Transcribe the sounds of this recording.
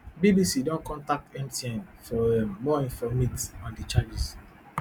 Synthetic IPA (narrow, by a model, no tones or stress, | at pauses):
bibisidɔ̃nkɔ̃ntak̚tɛ̃mtiɛ̃nfɔɛːɔĩnfɔmitsãndit͡ʃad͡ʒis